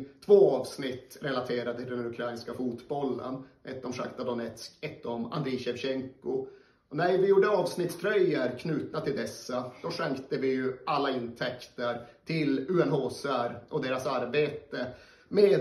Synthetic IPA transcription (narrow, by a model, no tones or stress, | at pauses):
t̪ʰvoːɑːvsnɪt̪ːɾɛlat̪ʰeːɾad̪ət̪ʰɪld̪ɛnɵkʰɾaɪnskafuːt̪bɔlːə̰nʔɛt̪ːɔmʂa̰kt̪ad̪ɔnɛt̪skɛt̪ːɔma̰nd̪ɾiɕɛvɕɛŋkʊ | ɔnæɾvɪjuːɖəɑːvsnɪt̪st̪ʰɾœjːəɾkʰnʉːt̪nat̪ʰɪld̪ɛsːad̪̥ɔʂɛŋkt̪əvɪjɵʔalːaɪnt̪ʰɛkt̪əɾt̪ʰɪlʉːɛnɦoːsæɾʔɔd̪eːɾasaɾbeːt̪ə | meː